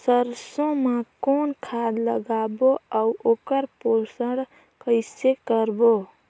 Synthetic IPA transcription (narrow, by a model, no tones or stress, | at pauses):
səɾsõmekoːnkʰad̪lə̰ɡaboauʔokəɾposəɽ | kəɪsekəɾbo